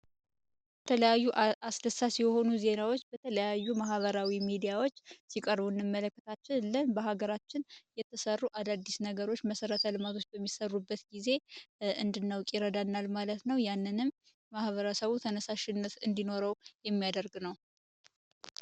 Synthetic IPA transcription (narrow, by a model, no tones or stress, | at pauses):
bət̪ʰələjajːuʔasd̪əsasjɛho̞nuze̞nawo̞t͡ʃːbət̪ʰələjajːumahβəɾawimid̪ijawo̞t͡ʃːsikʼəɾbunːɨmːələkːət̪ʰat͡ʃːɪnlənbəɦaɡəɾat͡ʃːɪnjɛt̪ʰːəsərːuʔad̪ad̪ːisnəɡəɾo̞t͡ʃːməsəɾət̪ʰəlɨmat̪ʰo̞t͡ʃːbəmːisərːubːət̪ɡize̞ɨnd̪ɨnːawkʼɪɾəd̪anːalmalət̪nəwjanːɨnɨmː | ahβəɾəsəβut̪ʰənəsaʃɪnːət̪ɨnd̪ino̞ɾəwjɛmːijad̪əɾɡnəw